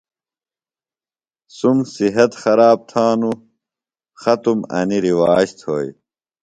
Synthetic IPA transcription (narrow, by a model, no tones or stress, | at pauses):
sumsiɦɐt̪xɐɾaːb̚t̪ʰaːnu | xɐt̪umɐ̰niɾiwaːɕt̪ʰo̰ːj